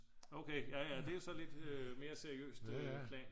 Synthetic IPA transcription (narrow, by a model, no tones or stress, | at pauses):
oʊkʰeɪjæjæd̥e̝josɒ̽le̝d̥øme̝ːɐseɐiø̰ːsd̥økʰlɛ̰ːn